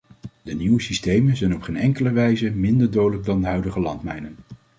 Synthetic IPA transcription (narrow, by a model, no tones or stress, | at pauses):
dəniwəsistejmənzɛjnɔpχejnɛŋkələʋɛjzəmɪndəɹdowdələɡ̚dɑndəɦœɥdəχəlɑntmɛjnən